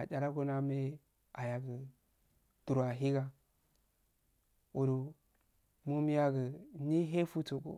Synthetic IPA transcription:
a˨t͡ʃa˨la˦ko˦na˦me˦ | a˨ja˨ɡə˨ | d̥u˨ɾa˨ɦi˦ɡa˦ | o˨do˨ | mu˦m˦ja˦ɡə˨ni˦ɦe˦fu˦to˨ko̰˨

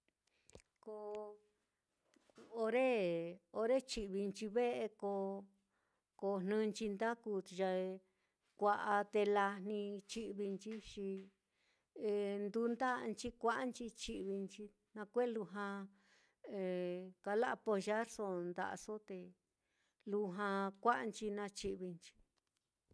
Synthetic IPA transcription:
ko˧ | o˧ɾe˦o˧ɾe˦t͡ʃi˧βi˧nt͡ʃi˧βe˦e˧ko˧ | ko˧n̥nɨ̃˧nt͡ʃi˧nd̪a˦ku˧ʒa˧ | kʷa˧ʔa˧t̪e˧la˧n̥nĩ˧t͡ʃi˦ʔβi˧nt͡ʃi˦ʃi˧ | e˧nd̪u˧nd̪a˦˧nt͡ʃi˦kʷa˦ʔnt͡ʃi˧t͡ʃi˧βi˧nt͡ʃi˧ | nã˧kʷe˦lu˧ɦã˧ | e˨˧ka˧la˦ʔpo˧ʒa˦ɾso˧nd̪a̰˧ʔa̰˧so˦t̪e˧ | lu˧ɦã˧kʷa˦ʔnt͡ʃi˧nã˧t͡ʃi˧βi˧nt͡ʃi̥˧

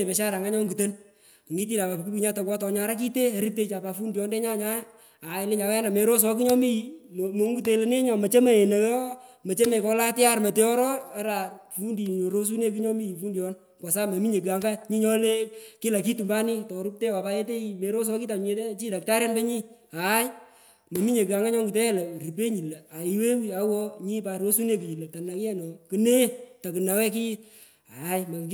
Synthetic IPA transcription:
e˨pɛ˨ʃa˦ɾa˨ŋa˦ɲɔ˦ŋɡu˨te˦n˨ | ŋɡi˦t̬i˦la˨pa˨pk̬u˦pi˨ɲa˦tɔ˨kwa˦tɔ˨ɲa˧ɾa˦k̬i˦te˦a˨˦ɾi˦te˦t͡ʃa˨pa˨fu˦ndjɔ˦nde˦ɲa˦ɲa˦ | a˨ɪ˦lɪ˦ɲa˨wa˦a˦na˨me˨ɾo˦s̬ɔ˨˦ki˦ɲɔ˦mi˦ji˨mo˨˦ŋɡu˦t̬e˨le˨ne˦ɲɔ˨mɐ˨t͡ʃe˦me˨e˨ne˨˦mɐ˨t͡ʃe˦me˨kɔ˨˧la˦tɪ˦a˦ɾmɐ˨te˨˦ɔ˦ɾɔ˦a˨˦ɾa˨fu˦ndi˨o˨ɾo˦s̬u˦ne˦k̬i˦ɲɔ˦mi˦i˨fu˦ndjɔ˦n | kɔ˨sa˦me˨mi˦ɲe˨ki˨a˨ŋɡa˦ɲi˦ɲɔ˦le˦ki˦la˨ki˦tu˨mba˦ni˦tɔ˨ɾu˦k̚te˦wa˨pa˦e˦t̬e˦˨me˨ɾo˦s̬ɔ˦ki˦ta˨ɲe˨˦te˦t͡ʃi˦da˨k̚ta˦ɾɛ˦nbɛ˦ɲi˦a˨˦j | me˨mi˦ɲe˨kɨ˨a˨ŋɡa˦ɲɔ˦ŋɡi˨te˦ɛ˦lɛ˨ɾi˨pe˦ɲi˨le˨a˨i˨we˦wi˦a˦wɔ˦ɲi˦pa˨ɾo˦su˦ne˦ki˨i˨le˨ta˨na˨kɛ˦nɔ˨kɨ˦ne˦ta˨kɨ˨na˨wɛ˦k̬i˦ | a˨˦jma˨

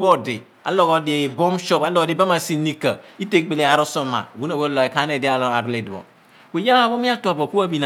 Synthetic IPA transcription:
bo˦de˨ | a̰˨lɔ˦ɣɔ˨de˨bo˦mʃɔ˦pa˨lɔ˦ɡɔ˨di˨ba˦ma˨si˦ni˦ka˨i˦te˦k͡pe˨le˨a˨ɾo˦so˦ma̰˨ɡu˦na˨we˦lɔ˨e˨ka˦ne˦˨di˦a˨la˨ɾle˨dbɔ̰˨ | we˨ja˦la˨bo˦mi˦a˦tu˨a˨bo˨ku˦a˦bi˦˨na˨

